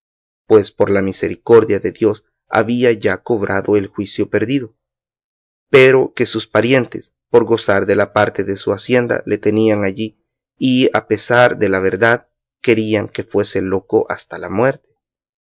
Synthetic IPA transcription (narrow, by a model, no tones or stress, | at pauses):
pwe̞spo̞ɾlamiseɾiko̞ɾðjaðe̞ðjo̞s | a̰βiaʝako̞βɾʔaðo̞e̞lxwisjo̞pe̞ɾðiðo̞ | pe̞ɾo̞ke̞suspaɾje̞nt̪e̞s | po̞ɾɡo̞saɾðe̞lapaɾt̪e̞ðe̞suasje̞nd̪a̰le̞t̪e̞niaŋaʝiː | a̰pe̞saɾd̪e̞laβe̞ɾðað | ke̞ɾiaŋke̞fwe̞se̞lo̞ko̞ʔast̪alamwe̞ɾt̪e̥